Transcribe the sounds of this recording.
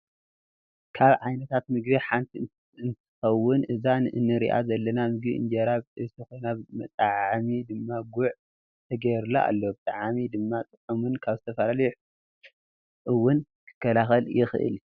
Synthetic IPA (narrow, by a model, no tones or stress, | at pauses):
kʰaβʕajnɐt̪ʰat̪mɨɡbiħant̪ʰi | ɨnt̪ʰɨ̥xɐwːʊnʔɨzanʔɨnːɨɾḭʔa̰zɐlːɐnamɨɡbiɨ̰nd͡ʒɐɾaβɨt̪ʰɨxojnamɐt̪ʼaʕamid̪ɨmːaɡuʕ | t̪ʰɐɡɐjɾlaʔa̰lːobɨt̪ʼaʕamid̪ɨmːat̪ʼɨkʼːɐmunkʰaβzɨt̪ʰɐfɐlalɐjuħ | ʔɨwːʊn | kʰɨ̥kʰːɐlaxɐljɪxɨʔɨ̰l